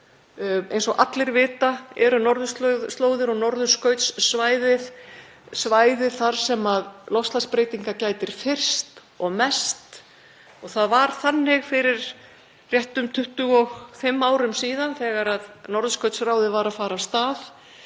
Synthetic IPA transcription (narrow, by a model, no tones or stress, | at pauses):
ejnsɔɣʔat̪lɪɾvɪːt̪aɛɾʏnɔɾðʏst̪lst̪loːwðɪɾɔɣnɔɾðʏskœɥt̪sːvaːjðɪð | svaːjðɪθaɾ̥sɛmaðlɔfst̪laspɾeːjt̪iŋkacaːjt̪ɪɾ̥fɪr̥st̪ | ɔɣmɛst̪ | ɔɣθaðvaɾ̥θanːɪɣfɪɾɪɾ̥ | rjɛht̪ʏmt̪ʰʏht̪ʏɣɔɣfɪmːaːwɾʏmsiːðanθɛːɣaɾaðnɔɾðʏskœɥt̪sraːwðɪvaːɾaðfaːɾast̪aːð